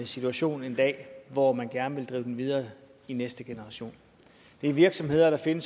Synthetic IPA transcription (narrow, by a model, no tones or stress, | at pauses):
əsit͡sʰuæɕo̝̰ːne̝nd̥ɛ̰ːʋɒmænɡ̥æɐnəʋe̝ld̥ʁḭːʊd̥enʋið̞ˠɐː | inesd̥əɡ̥e̝nəʁɑ̈ɕo̝̰ːn | d̥e̝æɐʋiɐɡ̥sɒ̽mhe̝ð̰ˠɐɾ̥ɑ̈fe̝nəs